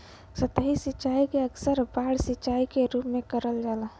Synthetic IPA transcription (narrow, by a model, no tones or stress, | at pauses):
sət̪əɦisɪt͡ʃaːikeəksəɾbaːɽsɪt͡ʃaːikeɾupmẽkəɾəld͡ʒaːla